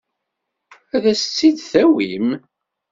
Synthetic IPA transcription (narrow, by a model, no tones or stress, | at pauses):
æðæsət͡sːid̪θæwim